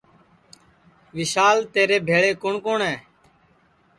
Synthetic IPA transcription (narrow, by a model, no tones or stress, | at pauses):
ʋɪsaːlt̪eːɾeːbʱeːɭeːkʊɳkoːɳɛː